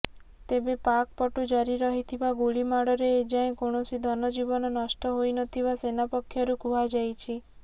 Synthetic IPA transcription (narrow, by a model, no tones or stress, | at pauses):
t̪ebepak̚pɔʈud͡ʒaɾiɾɔɦit̪ʰibaɡuɭimaɽɔɾeːd͡ʒaẽkoɳ̃ɔsid̪ʱɔnɔd͡ʒibɔnɔnɔsʈɔɦojnɔt̪ʰibasenapɔkʰːjɔɾukuɦad͡ʒajt͡ʃʰi